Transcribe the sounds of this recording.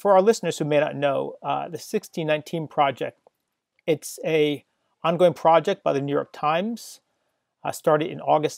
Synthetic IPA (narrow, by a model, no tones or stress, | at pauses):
fə˞aʊə˞lɪsnə˞z̥hʉmeɪnə̰tⁿnoʊðɨsɪkstinãɪ̃ntʰĩnpʰɹ̥ɑd͡ʒɛ̰k̚t̚ | ɨtsɨ | ɑ̃nɡoʊɪ̃ŋpʰɹ̥ɑd͡ʒɛk̚b̥aɪðɨnʉjɔ̰ɹk̚tʰãɪ̃mz̥ | stɑɹɾɨɾɨ̰̃nɔɡɨst